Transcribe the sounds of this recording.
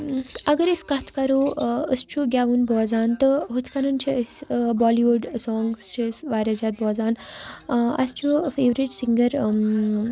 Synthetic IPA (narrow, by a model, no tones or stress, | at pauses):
ɐɡɐɾiskɐt̪ʰkɐɾoːəst͡ʃʰuɡʲaːʋunbɔːzaːnt̪ɨɦut̪ʰkɐnunt͡ʃʰisbɔːliʋuɖsɔːŋɡst͡ʃʰisʋaːɾʲazaːt̪̚bʱɔːzaːn | ɐ̰st͡ʃʰufeːʋɾiʈsiŋɡɐɾ